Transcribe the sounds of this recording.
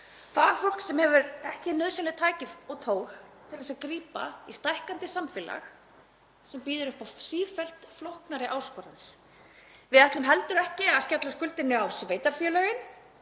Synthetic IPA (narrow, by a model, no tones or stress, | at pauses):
θaðaɾ̥fowlksɛmhɛvʏɾɛhcɪnœːðsanɪt̪ʰaːjcɪvɔɣt̪ʰoːwxt̪ʰɪlðɛsaðkɾiːpa̰ist̪ajhkant̪ɪsamfɪla̰x | sɛmpiːðʏɾʏhpasiːfɛl̥t̪flowhknaɾɪʔaːwskɔːɾanɪɾ̥ | vɪðat̪lʏmɦɛlt̪ʏɾɛhcɪaðscat̪laskʏlt̪ɪnːʏawsvejt̪aɾ̥fjœːlœːɣɪn